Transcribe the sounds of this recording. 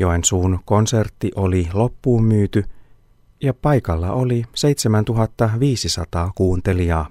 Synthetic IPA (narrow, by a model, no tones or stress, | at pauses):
joensuːnko̞nse̞rt̪ːiʔo̞lilo̞pːuːmːyːt̪y | jɑpɑjkɑlːɑ̰ʔolise̞jt̪semænt̪uɦɑt̪ːɑʋiːsisɑ̰t̪ɑːkuːnt̪e̞lijɑː